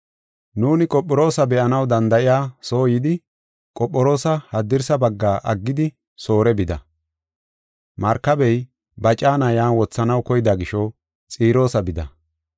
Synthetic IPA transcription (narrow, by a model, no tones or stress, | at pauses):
nuːnɪkʼɔpʼːɔɾo̞ːsɐbɛʔɐnɐwd̪ɐnd̪ɐʔɪjaːso̞ːjɪd̪ɪ | kʼɔpʼːɔɾo̞ːsɐhɐd̪ːɪɾsɐbɐɡːaːʔɐɡːɪd̪ɪ | so̞ːɾɛbɪd̪ɐ̰ | mɐɾkːɐbɛj | bɐt͡ʃʼaːnɐjaːnwɔt͡sːɐnɐwkɔjɪd̪aːɡɪʃɔ | t͡sʼiːɾo̞ːsɐbɪd̪ɐ̰